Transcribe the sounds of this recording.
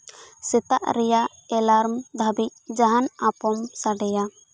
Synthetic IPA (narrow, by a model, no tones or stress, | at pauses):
sɛt̪aʔɾɛja | ɛlaɾmd̪ʱabic̚d͡ʒaɦanapɔmsaɖɛja